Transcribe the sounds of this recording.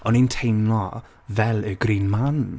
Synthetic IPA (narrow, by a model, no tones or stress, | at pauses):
ɔnintʰejmlɔ | vɛlˠəɡɾiːnman